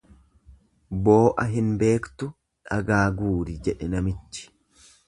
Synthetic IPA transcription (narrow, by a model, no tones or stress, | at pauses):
bo̞ːʔɐɦɪnbe̞ːkt̪ʊ | ᶑɐɡaːɡuːɾɪd͡ʒɛᶑɛnɐmɪt͡ʃːɪ̥